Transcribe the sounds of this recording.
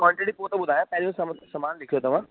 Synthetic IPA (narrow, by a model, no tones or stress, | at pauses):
kɔ̃ːɳʈeʈipoːt̪oɓʊd̪ʱaːjãpɛɦlijũsɐmsɐmaːnlɪkʰijot̪ɐʋ̤ãː